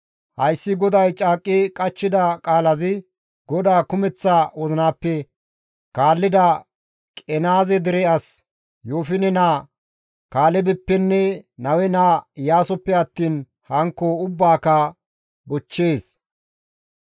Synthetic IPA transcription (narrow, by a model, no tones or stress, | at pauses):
hɐjsːɪɡɔd̪ɐjt͡ʃʼaːkʼːɪkʼɐt͡ʃːɪd̪ɐkʼaːlɐzɪ | ɡɔd̪aːkʊmɛt͡sːaːwɔzɪnaːpːɛ | kaːlːɪd̪ɐ | kʼɛnaːzɛd̪ɪɾɛɐs | joːfɪnɛnaː | kaːlɛbɛpːɛnːɛnɐwɛnaːjaːsɔpːɛɐt̪ːiːn | hɐŋkːoʊbːaːkɐ | bɔt͡ʃːeːs